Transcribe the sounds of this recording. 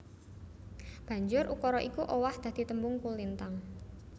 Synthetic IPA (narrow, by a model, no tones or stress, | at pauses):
b̥a̤ɲd͡ʒʊɾʔukɔɾɔʔikuʔɔwahd̪̥a̤d̪̥i̤t̪əmbʊŋkulint̪aŋ